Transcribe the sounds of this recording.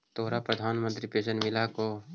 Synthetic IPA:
t̪oːɾapɾəd̪ʱaːnmə̃nt̪ɾipeːsənmɪlako

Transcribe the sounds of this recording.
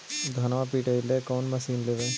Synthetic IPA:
d̪ʱɐnʋãpiːʈeileːkɔːnmɐsiːnleːʋẽː

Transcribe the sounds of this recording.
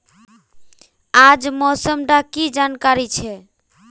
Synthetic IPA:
ad͡ʒmɔsəmɖakid͡ʒankaɾit͡ʃʰɛ

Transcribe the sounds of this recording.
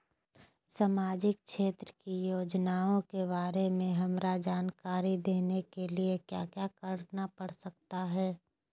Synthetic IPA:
samaːd͡ʒɪk̚ʃeːt̪ɾəkijoːd͡ʒnaːõkeβaːɾemẽɦɐmɾad͡ʒaːnkaːɾid̪eːnekeliekja̰ːkjaːkɐɾnapɐɽ̤sɐk̚t̪aɦɛː

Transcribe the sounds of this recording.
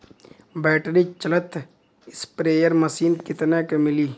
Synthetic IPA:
bɛːʈɾit͡ʃələt̪ː | ɪspɾeːjəɾməsiːnkɪt̪nekemɪliː

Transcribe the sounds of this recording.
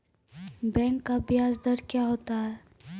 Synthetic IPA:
bɛ̃ːŋkːabɪjaːzd̪əɾkjaːɦoːt̪aɦɛː

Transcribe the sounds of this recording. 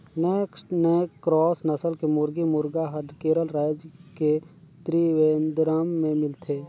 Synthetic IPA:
nekʈneːkːɾɔːsnəsəlkemʊɾɡimʊɾɡaɦəɖkeːɾəlɾaːjd͡ʒke | t̪ɾiʋeːnd̪ɾəmːẽmɪlt̪ʰeː

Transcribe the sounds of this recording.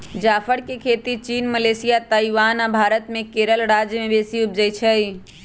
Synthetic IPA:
d͡ʒafʰəɽkekʰet̪it͡ʃinməlesijat̪aiʋanabʱaɾət̪mekeɾəlɾad͡ʒjəmebesiup̚d͡ʒəjt͡ʃʰə

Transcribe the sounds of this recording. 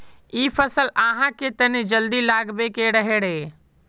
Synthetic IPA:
iːpʰəsəlaɦãket̪ənid͡ʒəld̪ilaɡbekeɾəɦeɽe

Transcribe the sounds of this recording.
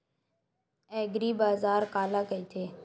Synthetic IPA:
ɛːɡɾiːbaːzaːɾkaːlaːkəiːt̪ʰeː

